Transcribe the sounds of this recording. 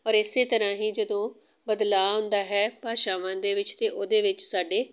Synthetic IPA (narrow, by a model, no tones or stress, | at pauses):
ɔːɾɪseːt̪əɾãːɦiːd͡ʒəd̪õː | bəd̪laːɦʊ̃nd̪aːɦɛːpaːʃaːʋãːnd̪eːʋɪt͡ʃt̪eːʔoːd̪eːʋɪt͡ʃsaːɖeː